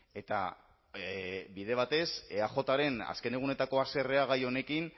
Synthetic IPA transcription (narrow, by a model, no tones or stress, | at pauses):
e̞t̪a̰ | biðe̞β̞at̪e̞seaxo̞t̪aɾe̞na̰ske̞ne̞ɣune̞t̪ako̞ase̞reaɣ̞ajo̞ne̞kin